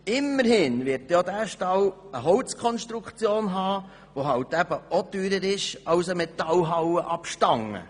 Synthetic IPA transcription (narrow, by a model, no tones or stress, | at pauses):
ɪmːəɾhɪnvɪtjod̪æːʃtɑwəɦɔlt͡skʰɔnʃt̪ɾukʰt͡sjoːnɦɑː | ʋoɦɑwt̪æb̥əot̪yːɾəɾɪʃɑwsəmɛt̪ɑlɦɑwəʔɑpʃtɑŋə̰